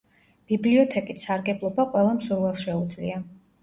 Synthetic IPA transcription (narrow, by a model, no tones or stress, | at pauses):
b̥ibliɔt̪ʰɛkʼit̪ʰsaɾɡɛblˠɔbaqʼwɛlˠamsuɾvɛlˠʃɛud̪zlḭa